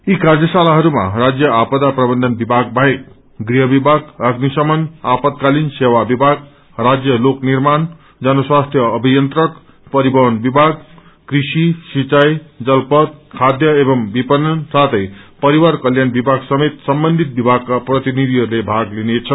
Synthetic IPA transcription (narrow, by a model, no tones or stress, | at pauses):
ikard͡zjʌsalaɦʌɾuma̰rad͡zjʌapʌd̪aprʌbʌnd̪ʱʌnbibʱaɡ̚bʱaek̚ | ɡriɦʌbibʱaɡʌɡnisʌmʌnapʌt̪̚kalinsewabibʱaɡ | rad͡zjʌloknirman | d͡zʌnʌswast̪ʰjʌːbʱijʌnt̪rʌk | pʌɾibʌɦʌnbibʱaɡ | krisisit͡sajd͡zʌlpʌt̪̚kʰad̪jʌebʌmbipʌnːʌnsat̪ʰʌjpʌɾiwarkʌljanbibʱaɡsʌmet̪sʌmbʌnd̪ʱit̪̚bibʱaɡ̚kːaprʌt̪inid̪ʱiɦʌɾulebʱaɡlinet͡sʰʌ